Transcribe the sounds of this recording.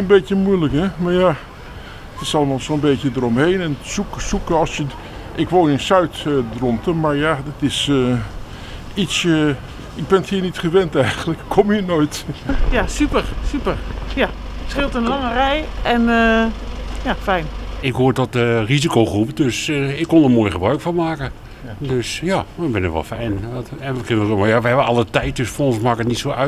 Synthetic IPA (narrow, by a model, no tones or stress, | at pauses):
ənbetjəmujləkhɛmaɹja | tɪsɑlˠəmaːlˠsoːnbeːtjədərɔmheːnɛnsuksukəɑlˠsjə | ʔɪkʋolˠənsœɥtdrɔntʰəmaɹjadɪtɪsə | itsə | ɪɡ̚bɛnəthiːnitχəʋɛntɛjɣənləkkʰɔmjənojtjasypərsypərja | sχɪlˠtənlɑŋərɛjʔɛnə | jafɛjnɪkɦoːɹtɔt̚ərizikoχrupədøsɪkːɔndəmoːjχəbrœɥkfɔnmaːkə | døsjaməbɪnəkʋɔ̰lˠfɛjntɛnəkɪnəromajaʋəɦɛbəɑlˠətɛjt̚døsfnsmaːkəətnitsowœ